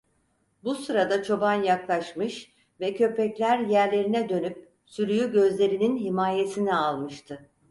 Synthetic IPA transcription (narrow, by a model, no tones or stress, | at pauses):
busɯɾad̪at͡ʃʰo̞banjaklˠaʃmɯʃ | vɛcʰø̞pʰɛclʲæɾjæɾlʲe̞ɾinɛd̪ø̞nyp̚ | syɾyjyɟø̞zlʲe̞ɾininɦimaːje̞sinialˠmɯʃt̪ʰɯ